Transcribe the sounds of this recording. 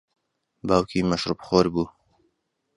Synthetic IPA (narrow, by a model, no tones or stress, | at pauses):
baːwkʰiːmɐʃɾupχoːɾbuː